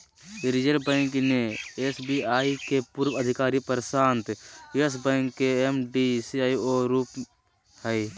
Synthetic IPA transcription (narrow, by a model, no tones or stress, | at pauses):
ɾd͡ʒəɾbəɪŋkneesbiaːikepuɾwəd̪ʱɪkaːɾipəɾsaːnt̪esbə̃ŋkːeemɖisiaːioɾuːp | hɛi